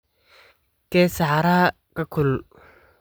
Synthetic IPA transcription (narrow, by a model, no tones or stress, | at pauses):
kɛːsaʕɾaː | kʰɐkʰʊl